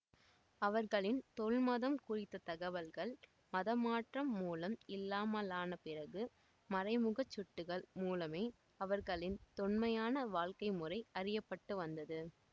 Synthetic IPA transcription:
ɐʋɐɾɣɐɭɪnt̪ɔɭmɐðɐmkʊrɪt̪ːɐt̪ɐɣɐʋɐlɣɐɭ | mɐðɐmaːʈrɐmːuːlɐmɪlːaːmɐlaːnɐpɪrɐɣɯ | mɐɾɐɪmʊɣɐt͡ʃːʊʈːɯɣɐɭmuːlɐmeː | ɐʋɐɾɣɐɭɪnt̪ɔnmɐjaːnɐʋaːɭkɐɪmɯrɐɪɐrɪjɐpːɐʈːɯʋɐnd̪ɐðɯ

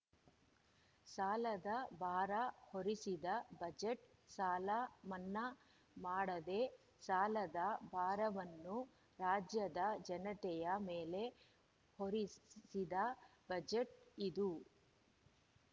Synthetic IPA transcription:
saːlɐd̪ɐbʱaːɾɐhoɾisid̪ɐbɐd͡ʒeʈsaːlɐmɐnːɐ | maːɽɐd̪e̞ | saːlɐd̪ɐbʱaːɾɐʋɐnːu | ɾaːd͡ʒjɐd̪ɐd͡ʒɐnɐt̪ɛjɐmeːle̞ | hoɾisid̪ɐbɐd͡ʒeʈid̪u

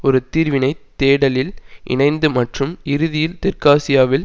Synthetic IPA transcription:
ɔɾɯt̪iːɾʋɪnɐɪt̪ːeːɽɐlɪlʔɪ̰ɳɐɪnd̪ɯmɐʈrɯmɪɾɯðɪjɪlt̪ɪɾkaːsɪjaːʋɪl

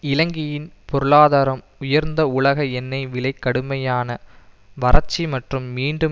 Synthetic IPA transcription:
ɪlɐŋɡɪjɪnpɔɾɯɭaːðaːɾɐm | ʊjɐɾnd̪ɐʊɭɐɣɐɛnːɐɪʋɪɭɐɪkːɐɽɯmɐjaːnɐ | ʋɐrɐt͡ʃːimɐʈrɯmːiːɳɖɯ

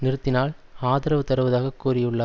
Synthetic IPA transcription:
nɪɾɯt̪ːɪnaːlaːðɐɾɐʋɯt̪ɐɾɯʋɐðaːɣɐkːuːɾɪjɯɭːɐ

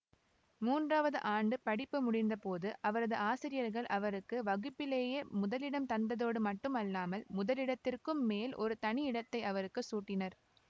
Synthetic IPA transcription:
muːndraːʋɐðɯ̰ʔaːɳɖɯpɐɽɪpːɯmʊɽɪnd̪ɐpoːðɯʔɐʋɐɾɐðɯaːsɪɾɪjɐɾɣɐɭʔɐʋɐɾɯkːɯʋɐɣɯpːɪleːjɐmʊðɐlɪɽɐmt̪ɐnd̪ɐðoːɽɯmɐʈːɯmɐlːaːmɐlmʊðɐlɪɽɐt̪ːɪrkɯmːeːlʔɔ̰ɾɯt̪ɐɳɪɪɽɐt̪ːɐɪɐʋɐɾɯkːɯsuːʈːɪnɐɾ

